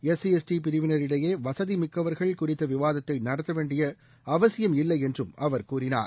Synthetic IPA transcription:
ɛsiɛsʈipɪɾɯʋɪnɐɾɪɽɐjeːʋɐsɐðimɪkːɐʋɐɾɣɐɭkʊrɪt̪ːɐʋɪʋaːðɐt̪ːɐɪnɐɽɐt̪ːɐʋeːɳɖɪjɐ | ɐʋɐsɪjɐmɪlːɐɪɛndrɯmɐʋɐɾkuːɾɪna̰ːɾ

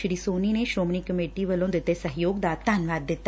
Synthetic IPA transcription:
ʃɾisoːnineʃoːmnikəmeːʈiʋəlõd̪ɪt̪ːesəɦjoːɡd̪aːt̪ːaːnʋaːd̪ːɪt̪ː

